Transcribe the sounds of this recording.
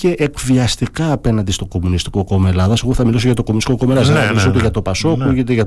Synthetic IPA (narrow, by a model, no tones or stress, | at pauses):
ce̞ʔːkviɐst̪ikɐːpe̞nɐnd̪ist̪o̞ko̞munist̪i̥ko̞ko̞me̞lɐðɐseɣoθɐmilos̬oʝɐt̪okomunist̪ikoko̞melɐðɐsɐmilisoot̪eʝɐt̪o̞pɐso̞xuʝit̪eʝɐ